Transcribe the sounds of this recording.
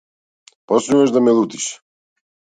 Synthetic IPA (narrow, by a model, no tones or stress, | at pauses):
posnuvaʒd̪amɛlˠut̪i̥ʃ